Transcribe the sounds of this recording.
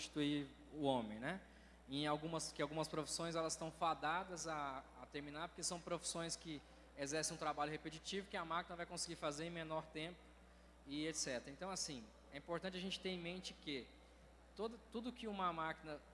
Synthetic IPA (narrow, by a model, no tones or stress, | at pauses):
t͡ʃi̥t̪ui | ʊõmẽj̃nɛ | ẽj̃awɡũmɐskɪawɡũmɐspɾofi̥sõj̃zɛlɐzst̪ɐ̃w̃fad̪ad̪ɐzaːt̪eɾminaɾpo̥ɾkesɐ̃w̃pɾofi̥sõj̃skɪ | ezɛɾsẽũt̪ɾabaʎʊhepet͡ʃit͡ʃivʊkɪamakinɐvajkõsɪɡiɾfazeɾẽj̃menɔɾt̪ẽpʊ̥ | ɪet̪sɛt̪eɾɐẽnt̪ɐ̃w̃asĩ | ɛĩpoɾt̪ɐ̃t͡ʃɪaʒẽnt͡ʃɪ̥t̪eẽmẽnt͡ʃɪkɪ | t̪od̪ɐt̪ud̪ʊkɪũmɐmakinɐ